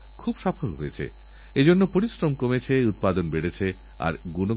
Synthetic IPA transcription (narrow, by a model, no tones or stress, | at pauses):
kʰubʃapʰolɦoet͡ɕʰḛ | ed͡ʑonːopoɾisɾomkomet͡ɕʰeut̪̚pad̪onbeɽet͡ɕʰe | a̰ɾɡuno